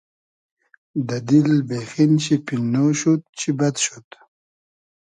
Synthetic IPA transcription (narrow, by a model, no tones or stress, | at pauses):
d̪ad̪ilbexinɕipinːoʃut̪̚t͡ɕʰibad̪ʃut̪